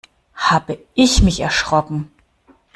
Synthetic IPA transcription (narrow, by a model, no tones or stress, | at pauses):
haːbəʔɪçmɪçɛɐʃʁ̥ɔkŋ̩